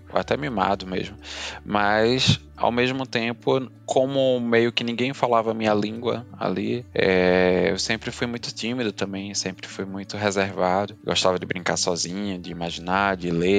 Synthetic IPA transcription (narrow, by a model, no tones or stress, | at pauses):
oa̰t̪ɛmima̰d̪ʊmḛʒmʊmɐs | a̰wmeʒmʊt̪ẽpʊkʰõmʊmejʊkɪnĩŋɡẽj̃falavɐmĩɲɐlĩŋɡwɐ̰a̰liɛḛwsẽmpɾɪfujmũj̃t̪ʊ̥t̪ĩmid̪ʊt̪ɐ̃mbẽj̃sẽmpɾɪfujmũj̃t̪ʊɦezeɾvad̪ʊɡɔʃt̪avɐd͡ʒɪbɾĩŋkaɾsɔzĩɲɐd͡ʒɪimaʒinad͡ʒɪle